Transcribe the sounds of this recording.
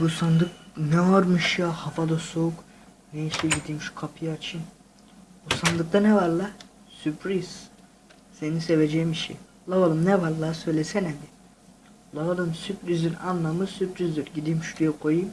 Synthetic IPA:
busand̪ɯk̚nɛaɾmɯʃjahafad̪asouk | neiʃlʲiɟid̪imʃu̥kʰapʰijat͡ʃʰɯn | busand̪ɯk̚d̪anɛvaɾlˠa | sypʰɾiz̥ | seniseved͡ʒɛjimiʃḭj | lˠavalˠɯmnɛvaɾlˠaːsøjlʲɛsɛnɛd̪i | lˠavalˠɯmsypɾizd̪inanlˠamɯsypɾizd̪yɾɟid̪imʃud̪yjɛkʰojɯm

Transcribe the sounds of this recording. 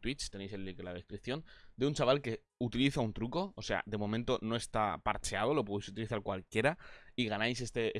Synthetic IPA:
t̪wit͡ʃt̪e̞ne̞jse̞lːiklað̞e̞skɾipθjo̞nd̪e̞unt͡ʃaβ̞alke̞ | ut̪iliθaunt̪ɾuko̞ose̞a̰d̪e̞mo̞mẽnt̪o̞no̞e̞st̪apa̰ɾt͡ʃe̞að̞o̞lo̞poðejsut̪iliθaɾkwalkje̞ɾaiɣanajsest̪ee

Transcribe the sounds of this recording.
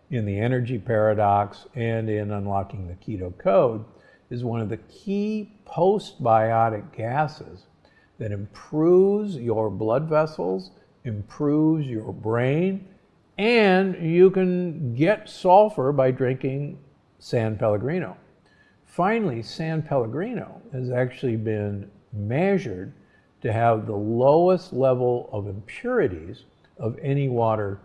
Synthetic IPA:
ɨ̃nðiɛnə˞d͡ʒipʰɛɹɨɾɑksɨ̃nɪ̃nʌ̃nlɑkɪ̃ŋðɨkʰiɾoʊkʰoʊd̚ | ɨzwʌ̃nʌvðɨkʰipʰoʊst̚b̥aɪɑɾɨk̚ɡ̥æsɪz | ðɨɾɨ̃mpʰɹ̥uvzjə˞blʌdvɛsl̩ˠz | ɨ̃mpʰɹ̥uvzjə˞bɹẽɪ̃n | ɨ̃njɨkɨ̃nɡɛtsɔlˠfə˞baɪdɹɪ̃ŋkɪ̃ŋ | sæ̃npʰɛlˠəɡɹĩño̰ʊ | fãɪ̃nl̩ˠisæ̃npʰɛlˠəɡɹĩno̰ʊɨzæk̚t͡ʃul̩ˠibɪ̃n | mɛʒə˞d̚ | tʰɨɨvðəloʊəstˡlɛvl̩ˠʌvɨ̃mpʰj̥ʊɹɨɾḭz | ʌvɛñiwɔɾə˞

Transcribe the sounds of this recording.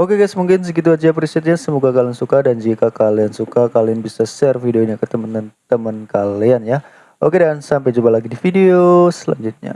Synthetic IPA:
okeɡajsmuŋkɪnsəɡit̪̬uad͡ʒiap̬ɾisɪt̪̚ɲasəmuɡakaliansukadand͡ʒikakaliansukakalianbisasɛrfideoiniakət̪əmənnt̪əmənkalianja | ʔokedansampajd͡ʒubalaɡidifideosəla̰ɲd͡ʒut̪̚ɲa̰

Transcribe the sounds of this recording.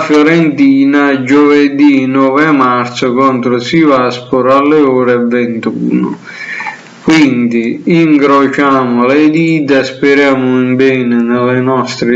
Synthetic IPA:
fjɔɾɛnt̪iːnad͡ʒuvɛd̪inɔːvɛmart̪sʊkɔnt̪ɾʊsivaspʊɾalːɛɔːɾɛvɛnt̪uːnʊ̰ | kwind̪iiŋkɾot͡ʃaːmʊlɛd̪iːt̪aspɪɾjaːmʊimbɛːnɪnɪlːɪnɔst̪ɾɪ

